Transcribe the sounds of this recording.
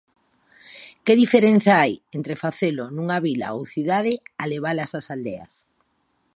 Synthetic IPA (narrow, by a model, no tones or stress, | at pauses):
keðifeɾen̟θjaajent̪ɾefaθelonũŋaβila̰owθiðað̞ɪaleβ̞alasasald̪ea̰s